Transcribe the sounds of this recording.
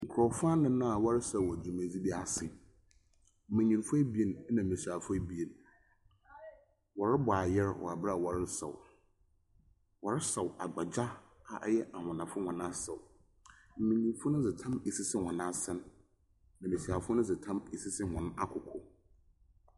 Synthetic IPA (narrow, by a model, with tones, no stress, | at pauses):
ŋ̩˨kʰɾɔ˨fʊ˦a˦nʊ̃˦nã˦a˨wɔ˦ɾɪ˦sa˦˨ɔ˨d͡ʑu˨mã˨d͡zi˦bi˦a˦sɪ˨ | m̩˦˨mɪ̃˨ɲĩ˨nfʊ˦æ˦bi˦e˨n˦nã˨m̩˨ĩ˨si˨a˨fʊ˦æ˦bi˦e˨n | wɔ˨ɾɪ˦bʊ˨a˨jɛ˦ɾwɔ̰˨a˨bɾa˨wɔ˨ɾɪ˦sa̰˨w | wɔ˨ɾɪ˦sa˨wa˨ɡ͡ba˨d͡ʑa˦ | a̰˨jɛ˦ʔa˨hʊ̃˨nã˨fʊ˦hɔ̃˨nã˦sɛ˨w | m̩˨mɪ̃˨ɲĩ˨n˦fʊ˦nʊ̃˦d͡zɪ˨tʰã˦me˨si˦sɪ˦hɔ̃˨nã˦sɛ˦n | nã˨mĩ˨si˨a˨fʊ˦nʊ̃˦d͡zɪ˨tʰã˦me˨si˦sɪ˦hɔ̃˨n˦a̰˦kʰʊ˨kʰɔ˦